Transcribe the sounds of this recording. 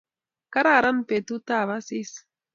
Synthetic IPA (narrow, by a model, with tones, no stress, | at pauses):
ka˦ɾa˦˨ɾa˦npe˨t̪u˦t̪a˦˨βa˦si˦s